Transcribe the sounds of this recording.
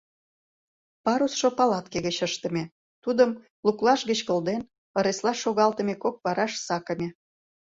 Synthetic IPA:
pɑɾusʃopɑlɑt̪keɣət͡ɕəʃt̪ə̆mʲe | t̪ud̪əm | luklɑʃɣət͡ɕkə̆ld̪en | ə̆ɾeslɑʃoɣɑlt̪ə̆mekok̚βɑɾɑʃsɑkə̆mʲe

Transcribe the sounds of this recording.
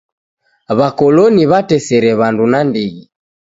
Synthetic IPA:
βakɔlɔniβatɛsɛɾɛβandunandiɣi

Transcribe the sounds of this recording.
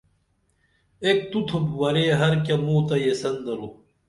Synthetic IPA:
ek̚t̪ut̪ʰobwɐɾeːɦɐɾk̬ʲɐmuːt̪ɐjesɐnd̪ɐɾo

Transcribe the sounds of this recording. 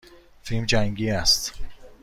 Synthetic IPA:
filmd͡ʒæŋɡiːæst̪

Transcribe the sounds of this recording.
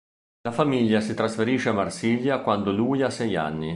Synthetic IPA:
lafamiʎːasit̪ɾasfeɾiːʃeamːarsiʎjakwand̪oluːjasɛja̰nːi

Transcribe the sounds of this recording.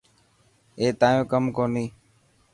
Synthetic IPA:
eːt̪aːjõːkəmkoːniː

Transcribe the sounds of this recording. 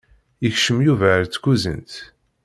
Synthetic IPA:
əçʃəmjuvæɾt͡sːkuzə̰nt̪

